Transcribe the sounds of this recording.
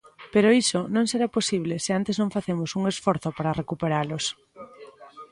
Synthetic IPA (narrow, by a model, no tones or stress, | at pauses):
peɾoisonõŋseɾaposiβ̞lesɪant̪eznõŋfaθemosuŋesfoɾθopaɾarekupeɾalos